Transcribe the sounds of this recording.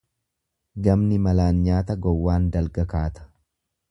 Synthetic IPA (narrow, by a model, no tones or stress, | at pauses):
ɡɐmnɪmɐlaːnɲaːt̪ɐɡɔwːaːnd̪ɐlɡɐkaːt̪ɐ̥